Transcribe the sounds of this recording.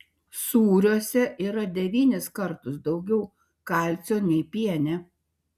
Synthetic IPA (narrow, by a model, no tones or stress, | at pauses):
suːɾʲuɔsʲɛʔiːɾɐd̪ʲɛʋʲiːnʲɪskɐɾt̪ʊsd̪ɒʊɡʲɛʊ | kɑˑlʲt̪sʲoːnʲɛɪpʲiɛnʲɛ